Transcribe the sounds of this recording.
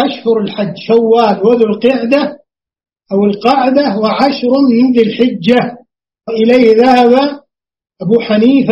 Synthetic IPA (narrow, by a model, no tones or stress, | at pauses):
ʔaʃhʊɾˤɪlħad͡ʒːʃawːaːlwaðulqɪʕd̪a | ʔawɪlqɑʕd̪awɪʕaʃɾmmɪnðɪlħɪd͡ʒːa | ɪʔɪlejːhðahaba | ʔabuːħaniːf